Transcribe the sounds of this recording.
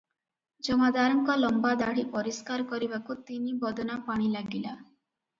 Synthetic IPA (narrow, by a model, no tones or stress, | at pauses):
d͡ʒɔmad̪aɾɔŋkɔlɔmbad̪aɽ̤ipɔɾiskaɾkɔɾibakut̪inibɔd̪ɔnapaɽ̃ilaɡila